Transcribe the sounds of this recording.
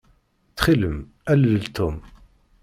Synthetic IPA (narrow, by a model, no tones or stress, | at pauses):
t͡sːχiləm | æləlt̪ʰum